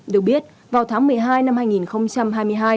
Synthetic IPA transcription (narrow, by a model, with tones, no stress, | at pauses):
ɗɨ˨˩ək̚ɓi˦˥ət̚ | vaː˨˩wt̪ʰaː˨˦ŋmɨ˨˩əjɦaː˧jna˧mhaː˧jŋi˨˩nxə˧wŋ͡mt͡ɕa˧mɦaː˧jmɨ˧əjɦaː˧j